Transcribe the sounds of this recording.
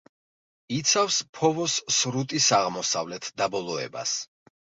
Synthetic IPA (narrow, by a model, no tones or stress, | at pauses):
it̪sʰafspʰɔvɔsːɾut̪ʼisaʁmɔsavlɛt̪ʰd̪abɔlˠɔɛ̰ba̰s